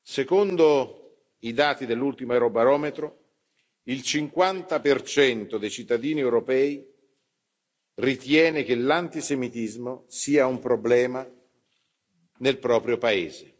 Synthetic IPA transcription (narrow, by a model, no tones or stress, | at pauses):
sekond̪o | id̪aːt̪id̪elːult̪imoɛɾobaɾɔːmet̪ɾo | ilt͡ʃiŋkwant̪apert͡ʃɛnt̪od̪ejt͡ʃit̪ːad̪iːniɛwɾopɛːi | rit̪jɛːnek̟elant̪isemit̪izmosiːaumpɾoblɛːma | nelpɾɔːpɾjopaḛːze